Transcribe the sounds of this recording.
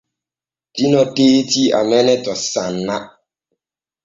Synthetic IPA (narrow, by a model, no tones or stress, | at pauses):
dinɔtetia̰mɛnɛtɔsanːa